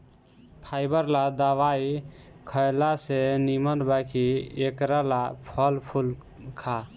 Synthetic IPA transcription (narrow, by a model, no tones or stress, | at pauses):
pʰajbəɾlad̪əʋaikʰəjlasenimənd̪bakiekɾalapʰəlpʰul | kʰa